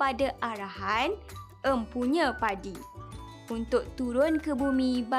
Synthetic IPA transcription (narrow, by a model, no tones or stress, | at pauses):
padaʔaɾahan | əmpuɲə̃padi | unt̪ʊk̚t̪uɾʊnkəbumĩba